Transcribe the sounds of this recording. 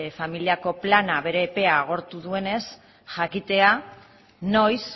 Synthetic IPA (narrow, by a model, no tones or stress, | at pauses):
familiako̞planaβe̞ɾe̞ːpe̞aːɣ̞o̞ɾt̪uðue̞ne̞s | ʝakit̪e̞a | no̞js